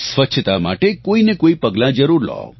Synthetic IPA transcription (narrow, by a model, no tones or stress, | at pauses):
sʋət͡ʃʰət̪ama̰ʈekoinekoipəɡlãd͡ʒəɾuɾlɔ̰